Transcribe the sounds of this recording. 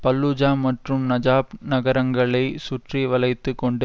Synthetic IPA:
pɐlːud͡ʒaːmɐʈrɯmnɐd͡ʒaːpnɐɣɐɾɐŋɡɐɭɐɪsʊʈriʋɐlɐɪt̪ːɯkːɔɳɖɯ

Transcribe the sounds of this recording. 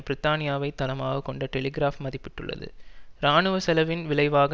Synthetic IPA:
pɪɾɪt̪ːaːnɪjaːʋɐɪt̪ːɐlɐmaːɣɐkɔɳɖɐʈɛlɪɡɪɾaːfmɐðɪpːɪʈːɯ̰ɭːɐ̰ðɯ̰ɾaːnɯʋɐsɛlɐʋɪnʋɪɭɐɪʋaːɣ

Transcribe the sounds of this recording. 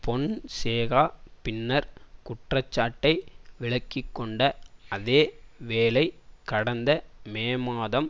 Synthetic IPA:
pɔɳseːɣaːpɪnːɐɾkʊʈrɐt͡ʃːaːʈːɐɪʋɪɭɐkːɪkːɔɳɖɐɐðeːʋeːlɐɪkɐɽɐnd̪ɐmeːmaːðɐm

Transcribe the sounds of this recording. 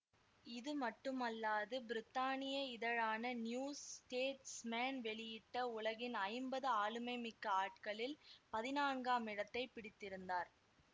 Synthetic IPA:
ɪðɯmɐʈːɯmɐlːaːðɯbɪɾɪt̪ːaːnɪjɐɪðɐɻaːnɐnjuːsʈeːʈsmaːnʋɛɭɪjɪʈːɐʊɭɐɣɪnɐɪmbɐðɯaːɭɯmɐɪmɪkːɐaːʈ̚kɐɭɪlpɐðɪnaːnɡaːmɪɽɐt̪ːɐɪpɪɽɪt̪ːɪɾɯnd̪aːɾ

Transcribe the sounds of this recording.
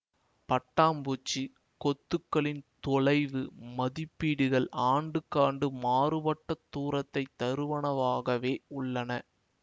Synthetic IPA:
pɐʈːaːmbuːt͡ʃːi | kɔt̪ːɯkːɐɭɪnt̪ɔɭɐɪʋɯmɐðɪpːiːɽɯɣɐɭʔaːɳɖɯkːaːɳɖɯmaːrɯʋɐʈːɐt̪ːuːɾɐt̪ːɐɪt̪ːɐɾɯʋɐɳɐʋaːɣɐʋeːʊɭːɐnɐ

